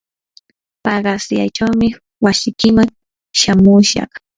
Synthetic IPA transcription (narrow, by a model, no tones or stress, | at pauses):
pɑɢɑsja̰jt͡ʃawmɪ | wasɪkɪmaŋ | ʃamʊʃɑ̰χ